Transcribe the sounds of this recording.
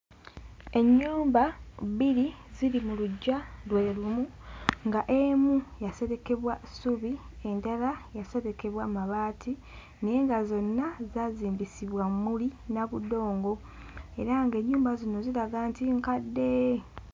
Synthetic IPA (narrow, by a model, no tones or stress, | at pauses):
e̞ɲːuːmbaβili | ziɾimuluɟːalweːlumu | ŋɡaʔe̞mujase̞ɾe̞ke̞βwasuβi | e̞ndalajase̞ɾe̞ke̞βwamaβaːtʰi | neːŋɡazo̞nːazaːziːmbisiβwammulinaβudo̞ːŋɡo̞ | e̞ɾaŋɡe̞ːɲːuːmbazino̞ziɾaɡantiŋkadːe̞